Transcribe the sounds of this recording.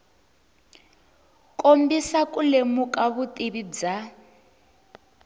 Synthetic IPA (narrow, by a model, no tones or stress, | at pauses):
kʼombisakulemukʼaβutʼiβid͡za